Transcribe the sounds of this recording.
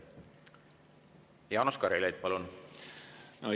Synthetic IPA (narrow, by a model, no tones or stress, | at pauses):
jɑːnuskɑɾilejd̪̥̚pɑlun | no